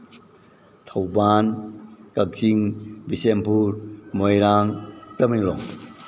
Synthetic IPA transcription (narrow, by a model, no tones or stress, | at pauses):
t̪ʰawbankak̚siŋbisɛmpuɾmɔjɾaŋt̪əmiŋlɔŋ